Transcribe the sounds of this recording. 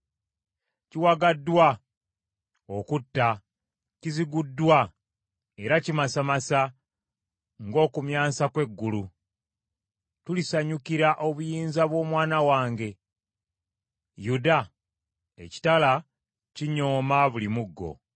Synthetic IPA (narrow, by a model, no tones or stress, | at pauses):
ciwaɡadːwa | okutːa | ciziɡudːwa | e̞ɾacimasamasa | ŋɡo̞ːkumjaːsakwe̞ɡːulu | tulisaɲukiɾaʔo̞βujiːnzaβwo̞ːmwaːnawaːŋɡe̞ | juda | eci̥tala | ciɲoːmaβulimuɡːo̞̰